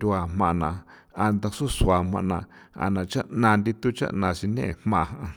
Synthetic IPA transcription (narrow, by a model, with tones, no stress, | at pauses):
d̪ʲu˧a˨m̥ã˧˨˧nã˨ | a˧nd̪a˧su˦su˨a˨mã̰˧ʔnã˧a̰˨nã˨t͡ʃa˦ʔnã˧nd̪i˧t̪u˦t͡ʃa̰˦ʔnã˧ʃi˧nḛ̃˦˧˨mmã˧˨˧ɦã˧